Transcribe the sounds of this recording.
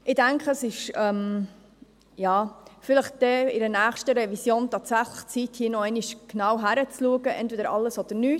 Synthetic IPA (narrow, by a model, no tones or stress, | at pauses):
ʔɪdæŋkχəsɪʃɛm | jɑːfɪləχd̥ɛɪɾənæːχʃtəɾɛvisjoːntɑːtsæχləχt͡sithiːənɔɛɪniʃknɑwɦæɾət͡sluəɡəʔɛ̰ntvɛdəɾɑlːəsɔd̥̪əɾnyː